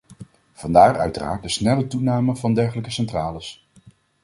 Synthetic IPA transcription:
v̥ɑndaːrœ̰ɥtəra̰ːɹt̚dəsnɛlətunaːməvɑndɛɹχələkəsɛntraːləs

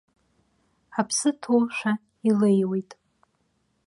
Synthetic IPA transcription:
apʰsɨtʰoʃᶣʷa | ilejwetʼ

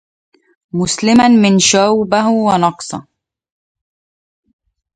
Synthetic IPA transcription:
mʊslɪmanmɪnʃawbaɦwɑnɑqsˤɑ

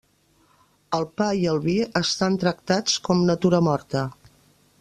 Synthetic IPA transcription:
əlˠpaiəlˠβiəst̪ant̪ɾək̚t̪at͡skɔmnət̪uɾəmɔɾt̪ə

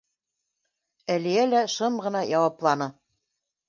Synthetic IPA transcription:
ælijælæʃɤmʁɤ̆nɑjɑwɑplˠɑnɤ

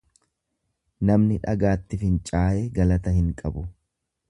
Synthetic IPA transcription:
nɐmnɪᶑɐ̰ɡaːt̪ːɪfɪnt͡ʃʼaːʔeːɡɐlɐt̪ɐhɪŋkʼɐbʊ

